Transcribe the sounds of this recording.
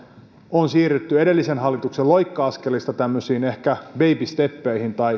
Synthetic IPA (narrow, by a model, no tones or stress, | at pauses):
onsiːryt̪ːye̞delːisenɦɑlːit̪ukselojkːɑɑskelist̪ɑt̪æmːøsiːne̞hkæʋe̞jpist̪e̞pːeihint̪ɑi